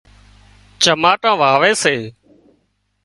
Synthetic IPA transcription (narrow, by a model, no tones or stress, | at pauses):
t͡ʃəmaːʈãːʋaːʋeːseː